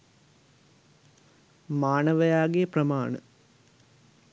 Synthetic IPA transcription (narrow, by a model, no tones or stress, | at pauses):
maːnɐʋɐjaːɡejəprɐmaːɳə̰